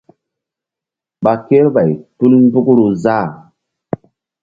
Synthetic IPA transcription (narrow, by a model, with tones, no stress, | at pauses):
ɓa˨ke˦ɾba˨jtu˦ln˦bu˦kɾu˨za˦˨